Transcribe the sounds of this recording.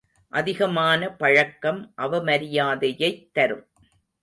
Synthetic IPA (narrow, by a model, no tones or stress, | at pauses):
ʔɐðɪɣɐmaːnɐpɐɻɐkːɐmʔɐʋɐmɐɾɪjaːðɐjɐɪt̪ːɐɾɯm